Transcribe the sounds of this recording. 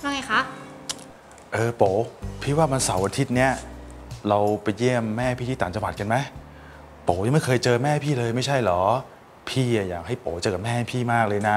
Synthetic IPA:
baː˧˩ŋa˧˦jxʰa˦˥ʔ | ʔɤː˧poː˩˦pʰi˦˥˩waː˥˩ma˧nsa˩˦wʔa˧t̪ʰi˦˥t̪̚ni˦˥˩ɐɾa˧wpa˧jːi˥˩əmːɛː˥˩pʰiː˥˩iː˥˩t̪ːnt͡ɕa˧wa˨˩t̪̚ka˧nma˦˥j | poː˩˦wja˨˩ma˥˩jkʰɤː˧jt͡ɕɤː˧mɛː˥˩pʰiː˥˩lɤː˧jma˥˩jt͡ɕʰa˥˩jlɔː˩˦ | pʰiː˥˩a˨˩jaː˨˩k̚ha˥˩jpoː˩˦t͡ɕɤː˧ka˨˩mɛː˥˩ha˥˩pʰiː˥˩maː˥˩k̚lɤː˧jna˦˥

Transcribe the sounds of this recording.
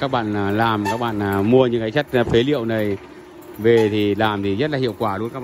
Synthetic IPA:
aː˦˥k̚ɓa̰ː˧˨n˩laː˨˩mkaː˦˥k̚ɓa̰ː˧˨n˨˩mu˧əɲɨ̰˧˥ŋkaː˨˦t͡ɕə˦˥t̚fe˨˦lḭ˧˨ə˨wna˨˩j | ve˨˩t̪ʰi˨˩laː˨˩mt̪ʰi˨˩zə˦˥t̚laː˨˩ḭ˧˨wkwaː˧˩lu˨˧ə˦nkaː˦˥˧

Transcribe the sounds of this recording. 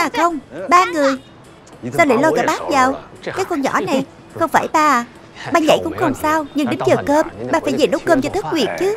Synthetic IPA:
aː˨˩xə˧wŋ͡mɓaː˧ŋɨ˨˩əj | saː˧wlə̰˧˩˦lɔ˧jɣaː˧˩ɓaː˦˥t̚zaː˨˩w | kaː˨˦jkɔ˧nɲɔ̰˧˩na˨˩j | xə˧wŋ͡mfaː˧˩jɓaː˧˩˨ | ɓaː˧ɲa̰˧˩jkʊ̰˧˥ŋ͡mxə˧wŋ͡msaː˧wɲɨ˧ŋɗï˨˦ŋ̟t͡ɕəː˨˩kəː˧mɓaː˧˩faː˧˩jzə˨˩jno˦˥kəː˧mt͡ɕɔ˧t̪ʰɨ˦˥k̚hwi˨˩ət̚t͡ɕɨ˨˦

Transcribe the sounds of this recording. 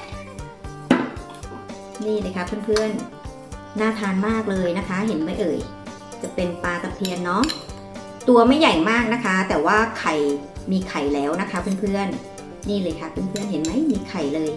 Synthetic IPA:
niː˥˩lɤː˧jkʰa˦˥pʰɯ˥˩˨npʰɯ˥˩ən | naː˥˩t̪ʰaː˧nmaː˥˩k̚lɤː˧jna˦˥kʰa˦˥ɦe˩˦nma˦˥˩jʔɤː˨˩j | t͡ɕa˨˩pe˧npaː˧t̪ʰa˨˧mpʰi˧ənːɔ˦˥ | t̪u˧ɐma˥˩jːa˨˩jmaː˥˩k̚na˦˥kʰa˦˥t̪ɛː˨˩waː˥˩kʰa˨˩jmiː˧kʰa˨˩jlɛː˦˥wna˦˥kʰa˦˥pʰɯ˥˩˨mpʰɯ˥˩ənː | iː˥˩lɤː˧jkʰa˦˥pʰɯ˥˩˨npʰɯ˥˩ənɦe˩˦nma˥jmiː˧kʰa˨˩jlɤː˧j

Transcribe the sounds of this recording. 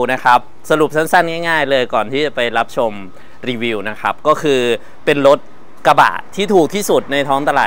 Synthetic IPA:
na˦˥kʰa˦˥p̚sa˧ɾu˨˩p̚sʰa˦˥nsa˥˩nŋaː˥˩jŋaː˥˩jlɤː˧jkɔː˨˩nt̪ʰiː˥˩t͡ɕa˨˩pa˧jɾa˦˥p̚t͡ɕʰo˧m | ɾiː˧wiː˧wna˦˥kʰa˦˥p̚kɔː˥˩kʰɯː˧ | pe˧nɾo˦˥t̪̚ | ka˧ba̰ː˨˩t̪ʰːiː˥˩t̪ʰuː˨˩k̚t̪ʰiː˥˩su˨˩t̪̚na˧jt̪ʰɔː˦˥ŋt̪a˧la̰ː˨˩

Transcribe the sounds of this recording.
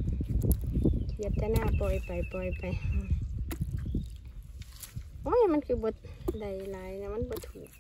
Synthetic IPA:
ja˧t̪a˧na˧pɔ˨jpa˨jpɔ˨jpa˨˧j | ɔ˦jma˧˦nkʰi˧bɔ˧t̪̚da˨jla˨jna˧ma˧˦nbɔ˧t̪ʰu˨

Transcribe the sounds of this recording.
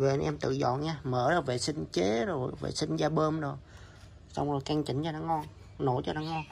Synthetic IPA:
ve˨˩ʔa˧˨nʔɛ˧mt̪ɨ̰˧˨zɔ̰˧˨jɲaː˧məː˨˦ɗɔ˨˦ve˨˩sï˧ŋ̟t͡ɕe˨˦zo˨˩jvḛ˨˩sï˧ŋ̟zaː˧ɓəː˧mzo˨˩j | sa˧wŋ͡mzo˨˩jka˧ŋt͡ɕï˨˩˦ŋ̟t͡ɕɔ˧ɗaː˧˦ŋɔ˧n | no˧˦jt͡ɕɔ˧ɗaː˨˧˦ŋɔ˧n

